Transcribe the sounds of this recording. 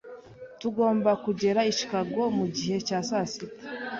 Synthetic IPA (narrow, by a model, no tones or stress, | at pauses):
tuɡo̞ːmbakuɟe̞ɾaiʃi̥kaɡomuɟihe̞caːsasiti̥